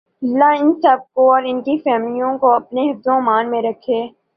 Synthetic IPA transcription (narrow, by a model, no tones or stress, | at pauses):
ɐlːaɪnsəb̚koɔːɾɪnkifɛːmlijõkoɐp̚neɦɐd̪õmaːnmẽɾɐkʰːeː